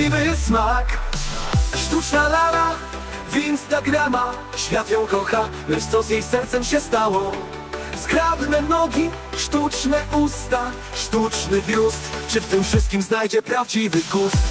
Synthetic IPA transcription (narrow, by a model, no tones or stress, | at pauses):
ivɘsmak | ʂt̪ut͡ʂnalala | vinst̪aɡɾama | ɕfʲjat̪jɔ̃w̃kɔxa | lɛʂt̪sɔzjejsɛɾt̪sɛmɕɛst̪awɔ | zɡɾabnɛnɔɡʲi | ʂt̪ut͡ʂnɛʔust̪a | ʂt̪ut͡ʂnɘvʲjust̪t͡ʂɨft̪ɘmfʂɘst̪̚kʲimznajd͡ʑɛpɾavd͡ʑivɘɡust̪